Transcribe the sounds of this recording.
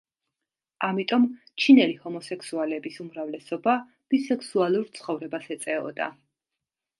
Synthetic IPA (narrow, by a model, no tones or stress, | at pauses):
amit̪ʼɔm | t͡ʃʰinɛlihɔmɔsɛksualɛbisumɾavlɛsɔba | b̥isɛksualˠuɾt̪sʰχɔvɾɛbasɛt̪sʼɛɔ̰d̪a̰